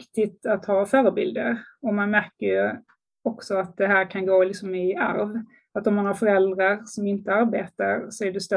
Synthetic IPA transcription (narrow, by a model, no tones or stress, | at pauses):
kt̪ɪt̪at̪hɑːfœːɾəbɪ̰ld̪əɾɔmanmæɾkəɾjɵ | ɔksɔat̪̚d̪ɛɦæːɾkʰanɡoːlɪksɔmɪa̰ɾv | at̪ɔmːanhaɾfœɾɛld̪ɾaɾsɔmɪnt̪əaɾbeːt̪aɾsɔæɖɵst̪ɛ